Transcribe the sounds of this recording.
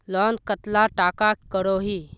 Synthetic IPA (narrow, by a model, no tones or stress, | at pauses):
lɔnkət̪laʈakakkəɽoɦi